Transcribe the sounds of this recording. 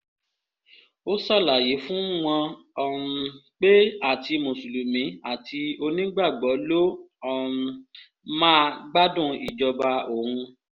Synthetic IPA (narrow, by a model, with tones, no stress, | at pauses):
o˦sɔ˦˨la˨je˨˦fũ˦w̃ɔ̃˧ | ɔ˦˨ũ˧k͡pe˦a˦˨ti˧mõ˨su˨lu˨mĩ˨˦a˦˨tʰi˧o˧nĩ˦ɡ͡ba˦˨ɡ͡bɔ˨˦lo˦ | ɔ̃˦˨˧ | mãː˦ɡ͡ba˦dũ˦˨i˨d͡ʒɔ˧ba˧o˦˨hũ˧